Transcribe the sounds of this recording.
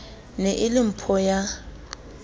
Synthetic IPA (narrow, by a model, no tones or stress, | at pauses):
nɛʔɪlim̩pʰɔja